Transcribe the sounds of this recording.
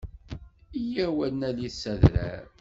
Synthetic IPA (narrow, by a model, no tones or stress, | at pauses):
ijæwænːælisːæðɾæ̰ɾ